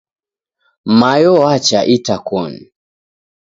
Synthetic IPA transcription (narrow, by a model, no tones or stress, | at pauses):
majɔwat͡ʃaʔitakɔn̩